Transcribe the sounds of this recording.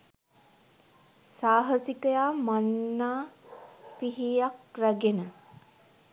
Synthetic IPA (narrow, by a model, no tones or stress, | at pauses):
saːɦəsikəjaːmanːaː | piɦijakræɡenə